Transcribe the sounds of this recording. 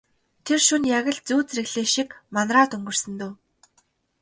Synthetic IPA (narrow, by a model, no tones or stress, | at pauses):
t̪ʰerʃunjaɣʲə̆ɮt͡suːt͡srɘ̆ɣɮeːʃikmanraːt̪ɵŋɡɵ̆r̥sɘ̆nt̪oː